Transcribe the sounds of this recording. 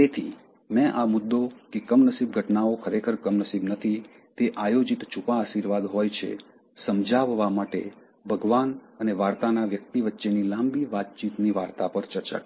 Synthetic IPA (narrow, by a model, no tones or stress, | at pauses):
t̪et̪ʰi | mɛ̃ʔamʊd̪ːokekəmnəsib̚ɡʱəʈnaokʰəɾekʰəɾkəmnəsibnət̪ʰi | t̪eʔajod͡ʒit̪t͡ʃʰupaːʃiɾʋad̪ɦojt͡ʃʰḛ | səmd͡ʒaʋːamaʈḛ | bʱəɡʋanəneʋaɾt̪anaʋjək̚t̪iʋətːʃenilãmbiʋat̪̚t͡ʃit̪niʋaɾt̪apəɾt͡ʃəɾt͡ʃa̰k